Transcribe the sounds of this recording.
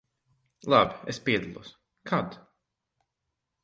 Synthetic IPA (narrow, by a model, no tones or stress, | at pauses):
lˠabʲiespiɛd̪alˠṵɔs | kʰad̪